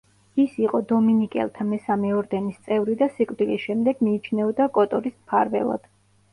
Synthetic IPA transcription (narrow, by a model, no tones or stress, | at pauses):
isiqʼɔd̪ɔminikʼɛ̰lˠt̪ʰamɛsamɛɔɾd̪ɛnist̪sʼɛvɾid̪asikʼvd̪ilisʃɛmd̪ɛɡ̥miːt͡ʃʰnɛɔd̪akʼɔt̪ʼɔɾismpʰaɾvɛ̰lˠa̰d̪̥